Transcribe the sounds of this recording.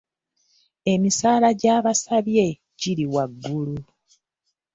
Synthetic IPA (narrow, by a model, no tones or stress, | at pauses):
e̞misaːlaɟaːβasaβje̞ | ɟiɾiwaɡːulu